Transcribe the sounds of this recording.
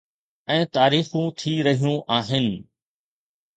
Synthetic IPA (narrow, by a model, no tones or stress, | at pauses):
ɛ̃ːt̪aːɾiːxũt̪ʰiɾɐɦijũʔaːɦɪnɪ̆